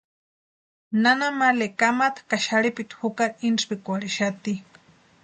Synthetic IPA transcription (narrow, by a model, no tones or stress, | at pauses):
nanamalekamat̪ḁkaʃaɽipit̪hukaɾinspikʷaɽiʃat̪i